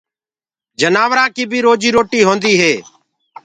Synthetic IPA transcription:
d͡ʒənaːʋɾãːkiːbʱiːɾoːd͡ʒiːɾoːʈiːɦoːnd̪iːɦeː

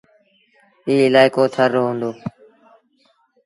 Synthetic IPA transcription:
iːɪlaːɪkoːt̪ʰəɾːoːɦʊ̃nd̪oː

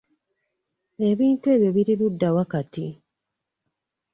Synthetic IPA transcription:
e̞βiːntue̞βjoβiɾiludːawakati

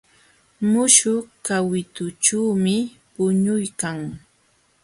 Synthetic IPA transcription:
mʊʃʊkawɪt̪ʊt͡ʃuːmɪ | pʊɲʊjkaŋ

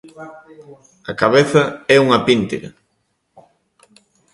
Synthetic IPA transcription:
ɐkaβeθɐɛuŋɐpint̪eɾɐ̰

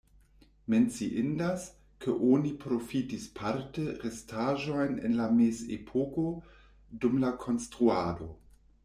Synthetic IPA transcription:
ment͡siʔindas | kəʔonipɾofitispʰaɾtəɾestʰaʒojnḛnlamesḛpʰoko | dumlakʰo̞nstɾuado̞

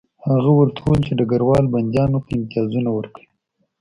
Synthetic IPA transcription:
haɣawəɾt̪ʰolt͡ʃed̪əɡaɾwɑlband̪jɑnopəɪmt̪ijɑzunawəɾkəi

